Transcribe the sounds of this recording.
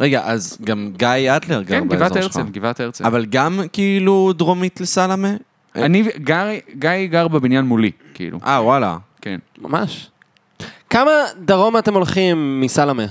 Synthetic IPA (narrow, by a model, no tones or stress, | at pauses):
ʁeɡaʔazɡamɡajad̪leʁɡakeʁnbivateʁseɡivat̪eʁt͡seavalɡamkiiːlud̪ʁomit̪lesalame | ʔaniɡaʁɡajɡaʁbebinjanmuli | kiḭlṵʔawala̰kenma̰maʃ | kamad̪aʁomate̞molχimːisalame